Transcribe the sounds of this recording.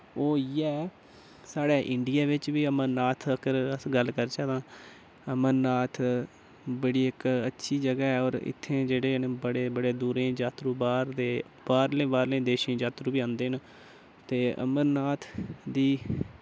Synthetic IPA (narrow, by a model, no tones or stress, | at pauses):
oːjɛː | saːɽeːʔɪɳɖɪjaːʋɪt͡ʃʋiːəməɾnaːt̪ʰəkəɾəsɡəlkəɾt͡ʃaːt̪ãː | əməɾnaːt̪ʰ | bəɽiːɪkətːʃʰiːd͡ʒəɡaːɛːɔːɾɪ̰t̪ʰːẽːd͡ʒeːɽeːnbəɽeːbəɽeːd̪uːɾẽːd͡ʒaːt̪ɾuːbaːɾd̪eː | baːɾlẽːbaːɾlẽːd̪eːʃẽːd͡ʒaːt̪ɾuːbiːãːnd̪eːɦn | t̪eːʔə̰məɾnaːt̪ʰd̪iː